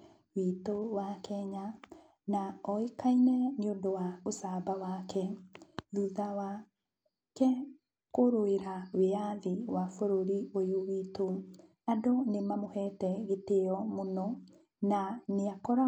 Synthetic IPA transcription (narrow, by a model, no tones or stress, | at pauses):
witowakɛɲa | naɔikʰainɛneondowaosabawakʰɛðuðawa | kɛ | koɾoeɾaweaðiwafoɾoɾiojowiːto | adonemamohɛtɛɣeteɔmonɔ | naneakɔɾa